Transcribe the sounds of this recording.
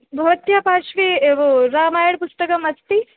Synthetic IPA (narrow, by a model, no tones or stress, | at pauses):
bʱɐʋɐt̪jaːpaːʃʋieʋoɾaːmaːjɐɽpust̪ɐkɐmɐst̪i